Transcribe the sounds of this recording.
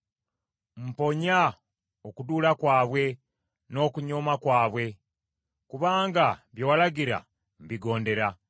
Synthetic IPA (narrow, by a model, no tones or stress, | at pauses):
m̩po̞ɲa | okuduːlakwaːβwe̞ | no̞ːkuɲoːmakwaːβwe̞ | kuβaːŋɡaβjowalaɡiɾa̰ | m̩biɡo̞ːnde̞ɾa